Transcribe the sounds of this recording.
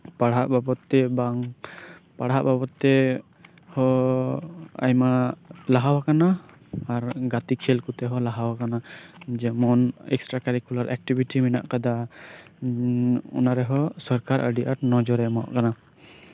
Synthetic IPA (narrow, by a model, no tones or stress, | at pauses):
paɽɦaʔbabɔt̪ːɛbaŋ | paɽɦaʔbapɔt̪ɛ | hɔ | a̰jmalaɦawakanaː | ɾɡat̪ikʰɛlkut̪ɛɦɔlaɦawakanad͡ʒɛmɔnɛ̰ksʈɾakaɾikulaɾʔɛk̚ʈibʱiʈimina̰ʔkad̪a | ṵnaɾɛɦɔsɔɾkaɾʔə̰ɖiʔaɾnɔd͡ʒɔɾɛmɔ̰ʔkana